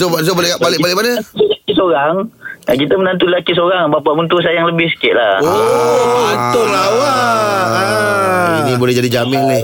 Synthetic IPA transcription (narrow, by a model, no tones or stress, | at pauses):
soas̬obalbalɪk̚balɪkmanəilakisoɾaŋakit̪əmənant̪̬ulilakis̬oɾaŋbapaʔmənt̪us̬ajaŋləbɪhsə̥kɪʔ̪la̰o | at̪ʊɾawa | ḭnĩbolɛhd͡ʒadid͡ʒamɪnnɪ